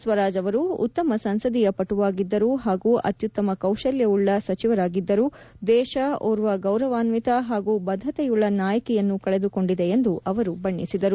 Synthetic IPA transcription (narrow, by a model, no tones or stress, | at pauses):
sʋɐɾaːd͡ʒɐʋɐɾṵːt̪ːɐmɐsɐnsɐd̪ijɐpɐʈuʋaːɡid̪ːɐɾuɦaːɡuʔɐ̰t̪jut̪ːɐmɐkɐwʃɐljɐuɭːɐsɐt͡ʃiʋɐɾaːɡid̪ːɐɾud̪ɛːʃɐoːɾuʋɐɡɐwɾɐʋaːnʋit̪ɐɦaːɡuːbɐd̪ʱːɐt̪ɛjuɭːɐnaːjɐkɛjɐnːukɐɭed̪uko̞ɳɖid̪eend̪uʔɐʋɐɾubɐɳːisid̪ɐɾu